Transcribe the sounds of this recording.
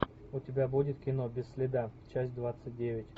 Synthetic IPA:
ʊtʲɪbʲabudʲɪt̪kʲɪnobʲɪsːʲlʲɪd̪at͡ɕæsʲt̚ʲd̪vat̪sɨt̚ʲdʲevʲɪtʲ

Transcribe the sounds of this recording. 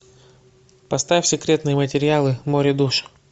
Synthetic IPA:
pɐst̪afʲsʲɪkɾʲe̞t̪nɨjəmətʲɪɾʲɪalˠɨmoɾʲɪd̪uʂ

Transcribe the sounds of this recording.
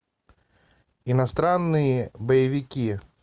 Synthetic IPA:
inast̪ɾanːɨjəbɐjɪvʲikʲi

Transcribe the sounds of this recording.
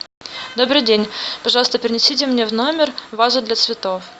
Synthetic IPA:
d̪o̞bɾɨjdʲenʲpɐʐɑlˠəst̪əpʲɪɾʲɪnʲɪsʲitʲɪmnʲevnomʲɪrvazʊd̪lʲɐt̪svʲɪt̪of

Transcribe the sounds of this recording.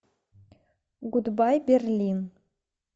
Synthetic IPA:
ɡud̪bɑjbʲerʲlʲin

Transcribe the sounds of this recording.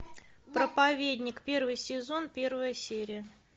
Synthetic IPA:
pɾəpɐvʲedʲnʲɪkpʲe̞rvɨjsʲɪzo̞npʲe̞rvəjəsʲeɾʲɪjə

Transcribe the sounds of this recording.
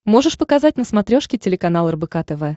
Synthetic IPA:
mo̞ʐɨʂpəkɐzatʲnəsmɐt̪ɾʲo̞ʂkʲɪtʲɪlʲɪkɐnalˠərbɨkat̪ɛvɛ

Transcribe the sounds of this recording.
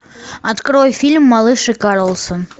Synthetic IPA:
ɑt̪kɾojfʲilʲmːɑlˠɨʂɨkɑɾəlˠsəm

